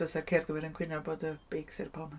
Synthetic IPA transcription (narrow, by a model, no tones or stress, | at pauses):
əsakʰɛrðwɪɾənkʰw̥ɪnaboːdəb̥ejksɪrpʰɔmə